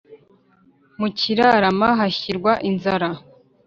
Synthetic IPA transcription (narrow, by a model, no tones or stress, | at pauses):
muciɾaɾamaɦaçiɾɡwaʔinzaɾa